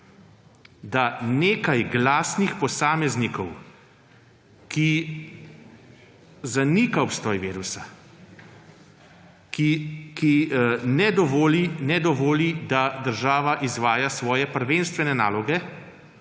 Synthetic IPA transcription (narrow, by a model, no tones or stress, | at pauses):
d̪aneːkajɡlaːsnixpɔsaːmɛznikɔw | ki | zanikaɔpst̪ɔːjʋeːɾusa | kikinɛd̪ɔʋoːlinɛd̪ɔʋoːlid̪ad̪əɾʒaːʋaʔizʋaːjasʋɔːjɛpəɾʋeːnst̪ʋɛnɛna̰ːlɔɡɛ